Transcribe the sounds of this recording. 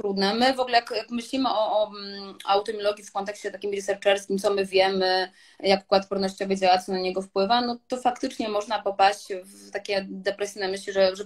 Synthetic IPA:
t̪ɾud̪nɛmɘvɔɡlɛjakjakmɘɕlʲimɘʔɔːawt̪ɔmʲjɔlɔɡʲjifkɔnt̪ɛkɕt͡ɕɛt̪akʲimɾisɛɾt͡ʂɛɾst̪kʲimt̪sɔmɘvʲjɛmɘ | jakkwat̪pɔɾnɔɕt͡ɕɔvɘd͡ʑawat̪sɔnaɲɛɡɔfpwɘvanɔt̪ɔfakt̪ɘt͡ʂɲɛmɔʐnapɔpaɕt͡ɕvt̪akʲɛd̪ɛpɾɛsʲinɛmɘɕlʲiʐɛʐɛ

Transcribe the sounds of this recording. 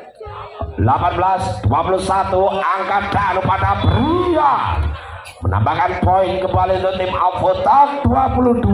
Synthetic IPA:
lapanbəlasd̪̥uapulusat̪uaŋkaɖ̥aʔnupadabəɾuja | məna̰mbakanpɔinkəbalind̪ot̪ɪmafot̪ak̚d̪̥uapulud̪u

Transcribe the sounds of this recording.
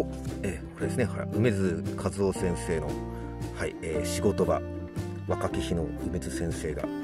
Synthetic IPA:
oeːko̞ɾe̞d̪esɨneha̰ɯ̟me̞zɨkʰazɨoːsẽ̞ɰ̃se̞ːno̞̰ | haieːɕiɡo̞t̪o̞ba | βakakʲiçinoɯ̟me̞zɨsẽ̞ɰ̃se̞ːɡa̰

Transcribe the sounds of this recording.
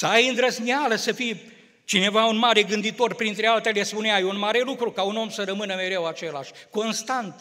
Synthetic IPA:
səajɨnd̪ɾəzmialəsəfij | t͡ʃine̞vaunmaɾe̞ɡɨnd̪it̪o̞rpɾint̪ɾe̞alt̪e̞lespuneajunmaɾe̞lukɾukauno̞msəɾəmɨnəme̞ɾe̞wat͡ʃe̞laʃʲko̞nst̪ant̪

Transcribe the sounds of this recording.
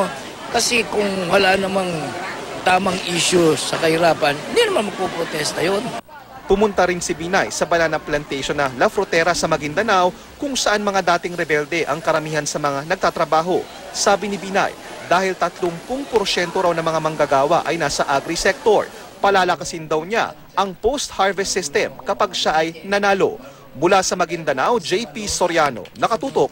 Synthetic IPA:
kɐsɛkʊŋwɐlanɐmaŋt̪aːmɐŋʔiːʃosɐkɐhɪɾaːpɐnɪnd̪inɐmanmɐɡ̚popɾot̪ɛst̪ɐjon | pʊmʊnt̪ɐɾɪnsɪbinajsɐbɐlaːnɐŋplɐnt̪ɛjʃonːɐlɐfɾot̪ɛɾɐsɐmɐɡɪŋd̪ɐnaw | kʊŋsɐʔanmɐŋad̪aːt̪ɪŋɾɛbɛld̪ɛʔɐŋkɐɾɐmiːhɐnsɐmɐŋanɐɡ̚t̪at̪ɾɐbaːɦo̞ | saːbɪnɪbina̰j | d̪aːhɪlt̪ɐt̪lʊŋpʊŋpoɾʃɛnt̪o̞ɾawnɐmɐŋamɐŋɡɐɡaːwɐ̰ʔɐjnaːsɐʔaɡɾisɛk̚t̪o̞ɹ | pɐlaːlɐkɐsɪnd̪ɐwɲa̰ | ʔɐŋpowst̪haɹvɛssːɪst̪ɛmkɐpaɡʃaʔɐjnɐnaːlo̰ | mʊlasɐmɐɡɪnd̪ɐnawd͡ʒɛjpisoɾjaːno̞̰nɐkɐt̪uːt̪ok̚

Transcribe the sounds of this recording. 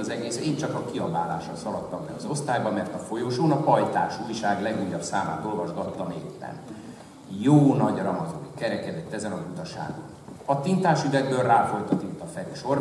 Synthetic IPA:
zɛɡeːseːnt͡ʃɒkɒkiɒbaːla̰ːʃɒ̰sɒlɒt̪ːɒmbɛ̰ɒzo̞st̪aːjbɒmɛrt̪ɒfo̞joːʃoːnɒpɒjt̪aːʃujʃaːɡlɛɡujːɒbsaːma̰ːt̪o̞lvɒʒɡɒt̪ːɒmeːpːɛ̰n | joːnɒɟrɒmɒzo̰nkɛɾɛkɛd̪ɛt̪ːɛzɛnɒzut̪ɒʃa̰ːɡo̰nɒt̪int̪aːʃyvɛɡbørraːfo̞jt̪ɒt̪int̪ːɒfɛɾyʃo̞r

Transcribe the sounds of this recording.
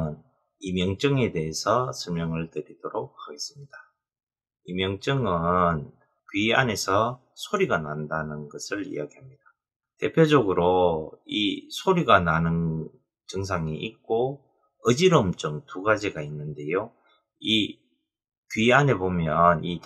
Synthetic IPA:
n | imjʌŋt͡ɕ͈ʌŋe̞de̞ɦesʰʌsʰɯɭmjʌŋɯɭtɯɾid̥oɾok̚haɡe̞s͈ɯmɲid̥a | imjʌŋt͡ɕ͈ɯŋɯn | kɥiane̞sʰʌ | sʰoɾiɡanandanɯnɡʌsʰɯɭḭjaɡiɦamɲid̥a | te̞pʰjod͡ʑʌɡɯɾoisʰoɾiɡananɯn | t͡ɕɯŋs̬ʰaŋiʔik̚k͈o | ɯd͡ʑiɾɯmt͡ɕ͈ɯŋtuɡad͡ʑiɡainːɯnde̞jo | i | kɥiane̞bomjʌni

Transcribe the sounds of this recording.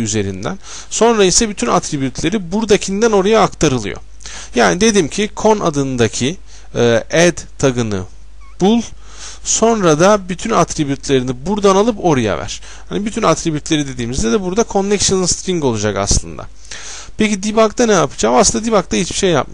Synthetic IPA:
yze̞ɾḭnd̪æ̰n | so̞nɾaisɛbyt̪ʰynat̪ɾibjyt̪ʰlʲe̞ɾibuɾd̪acʰind̪æno̞ɾajaːkt̪ʰaɾɯlˠɯ̰jo̰ | jaːnid̪e̞d̪imcʰikʰo̞na̰d̪ɯnd̪acʰiː | ɛd̪t̪ʰaɡɯnɯ̰ | b̥ulˠ | so̞nɾad̪abyt̪ʰynat̪ɾibjyt̪ʰlʲe̞ɾinibuɾd̪analˠɯpo̞ɾaja̰væ̰ɾ̥ | hanibyt̪ʰynat̪ɾibjyt̪lʲe̞ɾid̪e̞d̪iːmizd̪ɛd̪ɛbuɾd̪akʰo̞nːɛkʃɯnst̪ɾiŋɡo̞lˠud͡ʒaka̰slˠɯ̰nd̪a̰ | pʰecid̪ibak̚t̪ʰanɛjapʰɯ̥d͡ʒaːmaslˠɯnad̪ibak̚t̪ʰait͡ʃbi̥ʃe̞jːa̰p̚m

